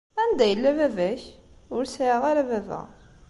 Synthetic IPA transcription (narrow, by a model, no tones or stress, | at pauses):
ænd̪æjəlːævævæçʊɾsəʁaɾævævæ̰